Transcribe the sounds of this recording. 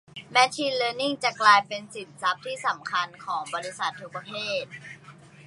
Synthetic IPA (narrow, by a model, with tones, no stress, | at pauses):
mɛ˦˥t͡ɕʰiː˧nləː˧ni˥˩ŋt͡ɕa˨˩klaː˧jpe˧nsi˨˩n̚sa˦˥p̚t̪ʰiː˥˩sa˩˦mkʰa˧nkʰɔː˩˦ŋbɔː˧ɾi˦˥sa˨˩t̪ʰːu˦˥k̚pɾa˧t̪ʰeː˥˩t̪̚